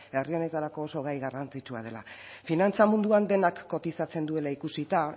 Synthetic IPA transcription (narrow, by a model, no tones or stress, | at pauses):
e̞rio̞ne̞t̪aɾako̞ːso̞ɣajɣarant͡sit͡ʃua̰ð̞e̞la̰finant͡samund̪uand̪e̞nakːo̞t̪isat͡se̞nd̪ue̞laikusit̪a